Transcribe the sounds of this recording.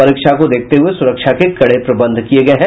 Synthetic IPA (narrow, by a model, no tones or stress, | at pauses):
ɐɾiːkʃakod̪eːk̚ʰt̪eɦʊesʊɾəkʃakekɐɽepɾɐbə̃nd̪ʱkijeɡɐeɦɛ̃